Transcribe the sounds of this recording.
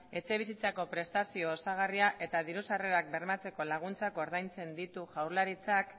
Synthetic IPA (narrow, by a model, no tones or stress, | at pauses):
e̞t͡se̞βisit͡sako̞pɾe̞st̪asio̞ːsaɣariaʔe̞t̪aðiɾusare̞ɾak̚be̞ɾmat͡se̞ko̞laɣ̞unt͡sako̞ɾðajnt͡se̞nd̪it̪uʝawɾlaɾit͡sak